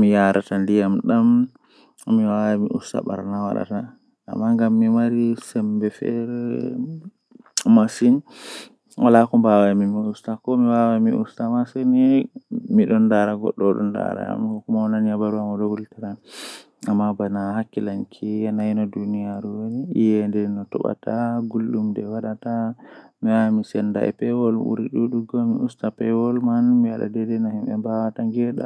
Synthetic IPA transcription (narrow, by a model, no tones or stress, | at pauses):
mijaɾatandijamɗamː | iwawamiʔṵsta̰ɓa̰ɾnawa̰ɗa̰ta̰ː | mːaŋɡamːimaɾisɛmbɛfɛ̰ɾɛ | masin | wʔalakɔmbawamimiustakɔmiwawamiṵstamasɛnɛmiɗɔndaɾaɡɔ̰ɗːɔɗɔ̰nda̰ɾa̰a̰mahɔkumananjabaɾuamɔɗɔwultɛɾan | amːabanahakːilankʰiananɔdunijaɾuwoniijɛndɛnɔtɔ̰ɓa̰taɡulɗumdɛwaɗatamiwamisɛnda̰ɛ̰pɛwɔlṵɾiɗuɗuɡɔmḭustapɛwɔlmanmiaɗa̰dɛdɛnahimɓɛmbawataŋɡɛɗa̰